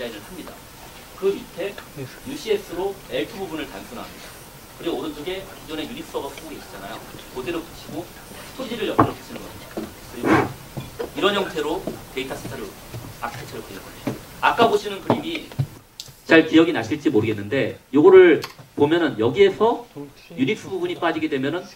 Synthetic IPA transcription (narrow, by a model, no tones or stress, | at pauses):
d͡ʑaiɾɯɭhamɲida̰ | kɯitʰe̞juɕ͈ʰies͈ɯɾoe̞ɭtʰububunɯɭtamsʰunɦa̰mida | kɯɾiɡoːnɯntʰuɡe̞id͡ʑʌne̞junip̚s͈ʌɡapʰuboɡeɕ͈ʰi̥d͡ʑanajokodeɾot͈ɯ̥ɕʰiɡo | tʰod͡ʑiɾɯɭjʌt͈iɾʌkʰe̥ɕʰinɯnɡʌɕ͈ʰi | kɯɾiɡo | iɾʌnɦjʌŋtʰe̞ɾote̞itʰas͈ʰetʰaɾɯ | akʰtʰet͡ɕʰʌɾɯpoɲʌk͈ʌak͈aboɕʰinɯnkɯɾimi | t͡ɕaɭkijʌɡinaɕʰiɭt͡ɕ͈imoɾɯɡe̞nːɯnde̞joɡʌɾɯɭpomjʌnɯnjʌɡie̞sʰʌ | junip̚s͈ʰɯbubuɲip͈ad͡ʑiɡe̞dwe̞mjʌnɯn